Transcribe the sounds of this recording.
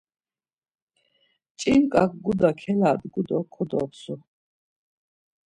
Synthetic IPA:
t͡ʃʼinkʼakʰɡud̪akʰɛlaːd̪ɡud̪ɔkʰɔd̪ɔ̰psu

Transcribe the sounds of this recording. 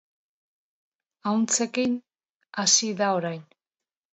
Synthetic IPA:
awnt͡se̞kin | asiðao̞ɾajn

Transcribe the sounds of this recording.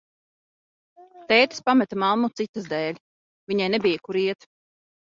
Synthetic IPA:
t̪ɛːt̪ḁspamɛt̪amalˠmut̪sit̪ːazd̪ɛːlʲ | viɲajnebijakuɾiɛt̪

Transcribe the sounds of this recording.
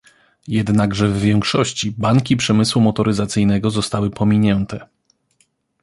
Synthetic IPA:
jɛd̪naɡʐɛvːʲjɛŋkʂɔɕt͡ɕibaŋkʲipʂɛmɘswumɔt̪ɔɾɘzat̪sɘjnɛɡɔzɔst̪awɘpʰɔmʲiɲɛnt̪ɛ

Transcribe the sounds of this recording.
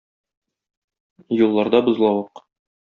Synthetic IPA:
julˠːɑɾd̪ɑbŏzlˠɑwɤq

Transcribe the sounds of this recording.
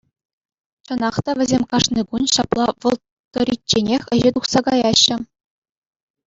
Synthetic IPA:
t͡ɕɤ̆nɑχt̪ɑʋʲɘ̆zʲemʲkɑʂnikunɕɑplˠɑʋɤ̆lˠ | t̪ːɤ̆ɾʲit̚ʲt͡ɕːenʲexʲɘ̆ʑet̪uχsɑkɑjɑɕːɘ̆

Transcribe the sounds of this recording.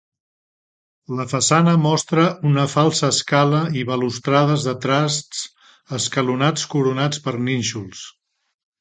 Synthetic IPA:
ləfəsanəmɔst̪ɾəunəfalˠsəːskaləiβəlust̪ɾaðəzðət̪ɾast̪t͡s | əskəlunat͡skuɾunat͡spəɾninʲʃulˠs

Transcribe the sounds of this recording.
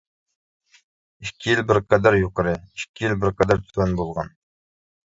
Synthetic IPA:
iʃkʲʰijilbɪɾqɑd̪æɾjuqəɾɪiʃkʲʰijilbɪɾqɑd̪æɾt̪ʰy̥zænbolˠʁɑn

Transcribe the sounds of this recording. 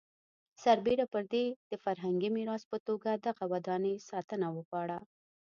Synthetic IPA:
saɾbeɾapəɾd̪ed̪̥əfaɾɦaŋɡimɪɾɑspət̪oɡad̪aɣawad̪ɑnəsɑt̪ənawəɣɑɽa

